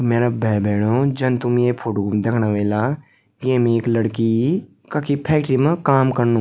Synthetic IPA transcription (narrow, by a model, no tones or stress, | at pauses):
meːɾabʱɛːbʱɛːɽ̃oːd͡ʒɐnt̪ʊmjepʰoːʈukumd̪eːkʰnaʋeːla | ɡẽːmẽeklɐɽki | kakipʰɛːk̚ʈɾimẽkaːmkɐɾnũ